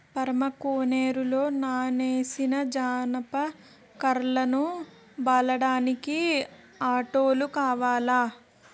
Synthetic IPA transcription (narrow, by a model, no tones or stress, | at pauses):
pɐɾɐmɐkoːneːɾulo̞ːnaːneːsinɐd͡ʒaːnɐpɐ | kɐɾlɐnu | bɐlɐɽaːniki | aːʈoːlukaːʋaːlaː